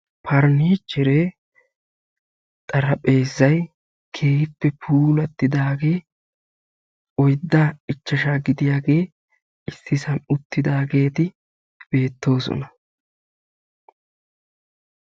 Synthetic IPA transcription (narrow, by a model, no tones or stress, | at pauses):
pʰɐɾniːt͡ʃːɪɾe | t̪ʼɐɾɐpʼe̞ːzːɐj | kʰe̞ːhɪpːɛpʰuːlɐt̪ːɪd̪aːɡeː | ɔjd̪ːaɪt͡ʃːɐʃaːɡɪd̪ɪjaːɡe̞ː | ɪsːɪsɐnʊt̪ːɪd̪aːɡe̞ːt̪ɪ | b̥e̞ːt̪ːo̞ːsɔ̰nɐ